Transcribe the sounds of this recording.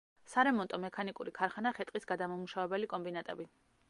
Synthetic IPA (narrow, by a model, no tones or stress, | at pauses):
saɾɛmɔnt̪ʼɔmɛkʰanikʼuɾikʰaɾχanaχɛt̪ʼqʼisɡad̪amamuʃavɛbɛlikʼɔmbinat̪ʼɛbi